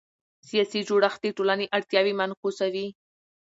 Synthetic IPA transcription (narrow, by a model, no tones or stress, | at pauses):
sijɑsid͡ʒoɽaxd̪eʈolaneʔaɽt̪jɑwimankusawi